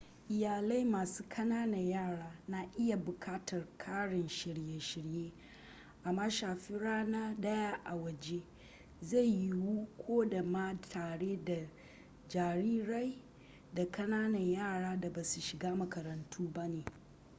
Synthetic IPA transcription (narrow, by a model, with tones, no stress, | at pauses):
ʔɪ˨jaː˨la˦jmaː˨suː˦kʰɐ˦naː˦nɐ˨ɲjaː˦˨ɽaː˦na˨ʔɪ˦ja˨bʊ˨kʰaː˦tʰɐ˨rkʰaː˦ɽɪ˨nʃɪ˨ɽje˦ʃɪ˨ɽjeː˦ | ʔa˨mːaː˦ʃaː˨ɸi˦ɽaː˦na˦dɐ˦jaː˦ʔa˨wɐ˨d͡ʒe˦ | za˦˨jji˦wu˦kʷʰoː˦da˨ma˦tʰaː˨ɽeː˦da˨ | d͡ʒaː˨ɾiː˦ɽa˦j | da˨kɐ˦naː˦nɐ˨ɲjaː˦˨ɽaː˦da˨baː˨su˨ʃɪ˨ɡaː˦mɐ˨kɐ˨ɾɐ˨ntʰuː˦ba˦neː˨